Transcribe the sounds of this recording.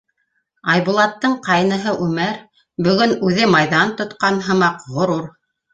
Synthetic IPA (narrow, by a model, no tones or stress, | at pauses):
ɑjβulˠɑt̪ːɤɴqɑjnɤ̆ɦɤʔʉmæɾ | bɵ̆ɡɵnʉðɘmɑjðɑnt̪ŏt̪qɑnɦɤ̆mɑqʁŏɾuɾ